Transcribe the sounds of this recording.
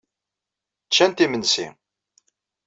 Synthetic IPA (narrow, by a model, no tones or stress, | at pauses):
t͡ʃːænt̪imənsḭ